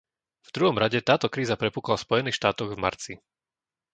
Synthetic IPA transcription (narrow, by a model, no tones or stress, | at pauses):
vd̪ɾuɦɔmɾaɟɛt̪aːt̪ɔkɾiːzapɾɛpuːklafspɔjɛniːxʃt̪aːt̪ɔɣvma̰ɾt͡si